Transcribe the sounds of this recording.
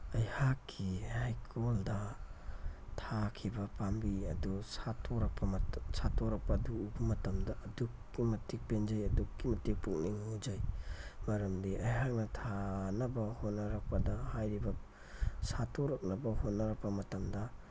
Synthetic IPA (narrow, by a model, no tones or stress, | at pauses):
ɐjhakʰːihajkʰoldɐ | tʰakʰibɐpambiɐdusatʰoɾɐk̚pʰɐmsatoɾɐk̚pɐduubɐmɐtɐmdɐʔːdukːimɐtʰik̚penzɐjɐdukːimɐtik̚puk̚niŋud͡ʒɐjmɐɾɐmdiʔɐjɦak̚nɐtʰanɐbɐhonːɐɾɐk̚pɐdɐhajɾibɐ | satʰoɾɐk̚nɐbɐhonːɐɾɐk̚pɐmɐtɐmdɐ